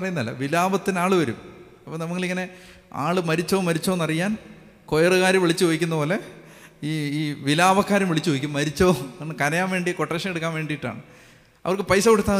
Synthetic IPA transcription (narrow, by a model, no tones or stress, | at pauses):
pɐrɐjunːɐlːɐ̰ʋilaːbɐt̪ːinaːɭɨʋɐɾṵm | ɐpːoːnɐmukːɐɭiŋːɐne̞a̰ːɭɨmɐɾit͡ɕːoːmɐɾit͡ɕːoːnɐrijːaːn | kojɐrɨɣaːɾɐmʋiɭit͡ɕːɨkɐjikʲːunːɐpo̞ːle̞ | iːiːʋilaːbɐkːaːɾɐmʋiɭit͡ɕːuʋɐjikʲːumːɐɾit͡ɕːoːenːɨkɐɾɐjaːnʋe̞ːɳɖijkoʈːeʂɐmeɽukːaːnʋe̞ːɳɖijiʈːa̰ːɳɨ | ɐ̰ʋɐrkɨpɐjsɐkoɽut̪ːaː